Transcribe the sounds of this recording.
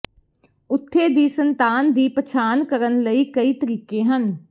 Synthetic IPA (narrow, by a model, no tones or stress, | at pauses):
ʊt̪ʰːed̪iːsə̃nt̪aːnd̪iːpət͡ʃʰaːnkəɾənləikəit̪əɾiːkẽɦən